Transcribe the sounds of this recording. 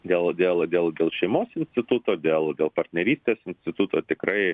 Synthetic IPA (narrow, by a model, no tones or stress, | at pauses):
d̪ʲeːlˠd̪ʲeːlˠd̪ʲeːlˠd̪ʲeːlˠʃʲɛɪmoːsɪnsʲt̪ʲɪt̪ʊt̪oːd̪ʲeːlˠd̪ʲeːlˠpɐrʲt̪ʲnʲɛɾʲiːsʲt̪ʲeːsɪnʲsʲt̪ʲɪt̪ʊt̪oːt̪ʲɪkɾɐɪ